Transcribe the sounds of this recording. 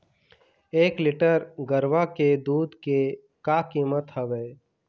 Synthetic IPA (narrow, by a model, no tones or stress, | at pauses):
eːklɪʈəɾɡəɾʋaked̪uːd̪ke | kaːkiːmət̪ɦəʋeː